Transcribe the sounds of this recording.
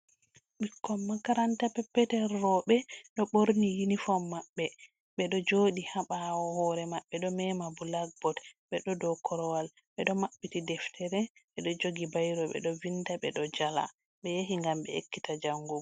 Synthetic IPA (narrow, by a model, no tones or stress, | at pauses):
ɓikːɔmːakaɾantapɛpːɛtɛɾːɔɓɛɗɔɓoɾnijinifɔmːaɓːɛ | ɓɛɗɔd͡ʒoːɗihaɓawɔhɔɾɛmaɓːɛɗɔmɛmabulaɡ̚bɔtɓɛɗɔdɔkʰɔɾɔwal | ɓɛɗɔmaɓːitidɛftʰɛɾɛɓɛɗɔd͡ʒoɡibajɾɔɓɛ̰ɗɔvindaɓɛɗɔd͡ʒala̰ | ɓɛjeɦiŋɡambɛ̰ekːitad͡ʒaŋɡu